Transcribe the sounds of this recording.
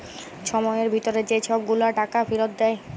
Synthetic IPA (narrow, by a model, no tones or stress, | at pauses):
ʃʰɔmɔeeɾbʱit̪oɾed͡ʑet͡ɕʰɔb̚ɡulaʈakafiɾot̪d̪ɛe